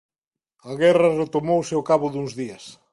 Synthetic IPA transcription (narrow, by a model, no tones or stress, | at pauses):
ɐɣɛrɐret̪omowseokaβʊðuŋzðiɐs